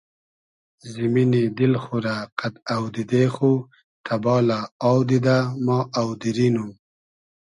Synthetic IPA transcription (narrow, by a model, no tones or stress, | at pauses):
zɪminid̪ɪlxuɾaqat̪awd̪ɪd̪exu | t̪ʰabɑlaɑwd̪id̪amɑʔawd̪ɪɾinu